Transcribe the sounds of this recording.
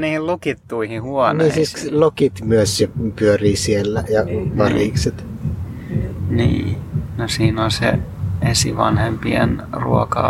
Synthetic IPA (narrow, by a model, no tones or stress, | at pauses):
niːhillokit̪ːuihihuɔnniːsilokit̪myøssepyøriːsielːæjɑʋɑriːkset̪ | nḭːnosiːnolsḛesiʋɑnhempienrṵokɑ